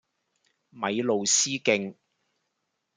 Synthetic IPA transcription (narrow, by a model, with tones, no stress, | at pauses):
mɐ˨˧jlo˨wsiː˥kɪ˧ŋ